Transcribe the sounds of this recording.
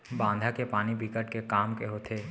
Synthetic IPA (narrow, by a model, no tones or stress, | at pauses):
bãːnd̪ʱakepaːnibʱikəʈkekaːmkeɦot̪ʰeː